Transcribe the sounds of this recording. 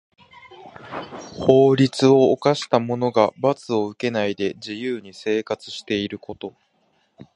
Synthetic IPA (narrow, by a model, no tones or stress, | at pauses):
ho̞ːɾʲit͡sɨo̞ːkaɕi̥t̪amo̞no̞ɡabat͡sɨo̞ɯ̟ke̞naid̪e̞d͡ʑijɯːɲ̟ise̞ːkat͡sɨ̥ɕi̥t̪e̞iɾɯ̟ko̞t̪o̞